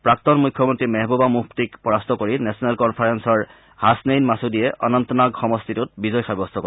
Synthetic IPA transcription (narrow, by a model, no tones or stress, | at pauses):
pɹak̚tɔnmujkʰːjɔmɔntɹimɛɦbobamuftikpɔɹast̪ʰɔkoɹinɛsɔnɛlkɔnpʰaɹɛnsɔɹ | hasnejnmasudijɛʔʔɔnɔnt̪ɔnaɡxɔmɔstʰitut̚bizɔjxaɹbɔst̪ʰɔkɔ